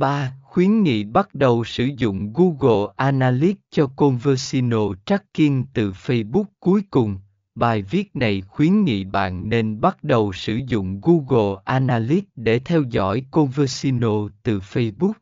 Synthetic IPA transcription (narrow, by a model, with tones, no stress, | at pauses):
ɓaː˧xwi˨˦ənŋḭ˧˨ɓa˦˥t̚ɗə˨˩wsɨ˧˩zʊ̰˧˨ŋ͡mɣu˧ɣo˨˩ʔaː˧naː˧li˦˥t̚t͡ɕɔ˧ko˧nvə˧si˧no˧t͡ɕa˦˥kkːi˧əŋt̪ɨ˨˩fə˧jɓʊ˦˥k͡p̚ku˨˦əjkʊ˨˩ŋ͡m | ɓaː˨˩jvi˦˥ət̚na˨˩jxwi˨˦ənŋḭ˧˨ɓa̰ː˧˨nːe˧nɓa˦˥t̚ɗə˨˩wsɨ˧˩zʊ̰˧˨ŋ͡mɣu˧ɣo˨˩ʔaː˧naː˧li˦˥t̚ɗe˧˩t̪ʰɛ˧wzɔ̰˧˥jko˧nvəː˧si˧no˧t̪ɨ˨˩fə˧jɓʊ˦˥k͡p̚